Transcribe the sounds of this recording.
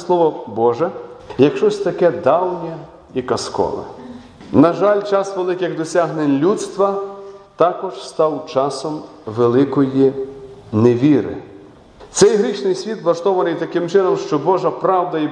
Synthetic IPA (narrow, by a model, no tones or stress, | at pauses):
slˠɔʋɔbɔʒɛjɐkʃt͡ʃɔsʲt̪ɐkɛd̪ɑwnʲɛ | ikɐskɔ̰lɛ̰ | nɐʒɑlʲt͡ʃɑsʋelˠɪkɪɣd̪ɔsʲaɦnenʲlʲut̪st̪ʋɐt̪ɑkɔʒ̥st̪ɑwt͡ʃɑsɔm | ʋelˠɪkɔji | neʋʲiɾɪ̰ | t̪sɛjɦɾʲiʃnɪjsʲʋʲit̪ʋlˠɐʃt̪ɔʋɐnɪjt̪ɐkɪmt͡ʃɪnɔmʃt͡ʃɔbɔʒɐpɾɑwd̪ɐi